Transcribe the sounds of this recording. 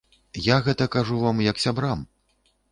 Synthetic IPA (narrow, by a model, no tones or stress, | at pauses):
jaɣɛt̪ɐkaʐuvamjɐksʲabɾam